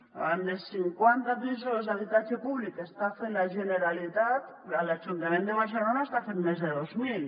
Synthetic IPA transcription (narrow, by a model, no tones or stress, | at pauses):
and̪esiŋkwant̪apisozaβit̪at͡ʃepuβlikest̪afenlaʒeneɾalit̪at̪ | alad͡ʒunt̪amend̪eβaɾselonaest̪afenmezðeðozmil